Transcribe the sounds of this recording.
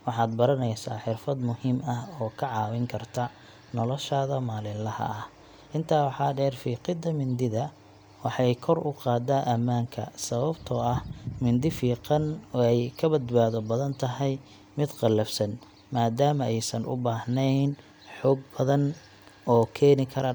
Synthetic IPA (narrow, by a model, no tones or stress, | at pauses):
wɑħɑːd̪bɐɾɐnɛjsaːħɪrfɐd̪mʊhiːmɐhɔːkʰɐʕɑːwɪŋkʰɐrt̪ʰɐ | nɔlɔʃaːðɐmaːlɪlɐhɐ̰ɐh | ʔɪnt̪ʰaːwɑħɑːɖɛːrfiːqɪd̪ɐmɪnd̪ɪðɐ | wɑħɑjkʰɔrʊqɑːd̪aːʔɐmːaːŋkʰɐ̰sɐβɐbt̪ʰɔɐhmɪnd̪ɪfiːqɑnɔːɛjkʰɐbɐd̪baːðɔbɐðɐnt̪ʰɐɦɛj | mɪd̪qɑlɐfsɐn | maːd̪aːmɐɛjsɐnʔʊ̰baːhnɛjn | ħɔːɡbɐðɐn | ɔːkʰɛːnɪkʰɐɾɐ